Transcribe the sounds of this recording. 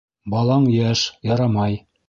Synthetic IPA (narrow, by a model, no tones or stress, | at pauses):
bɑlˠɑɴjæʃjɑɾɑmɑj